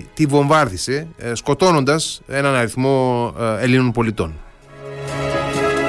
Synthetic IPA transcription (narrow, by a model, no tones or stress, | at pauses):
t̪ivo̞ɱvɐɾðise̞sko̞t̪o̞no̞nd̪ɐse̞nɐnɐɾiθmo̞e̞linonpolit̪o̞n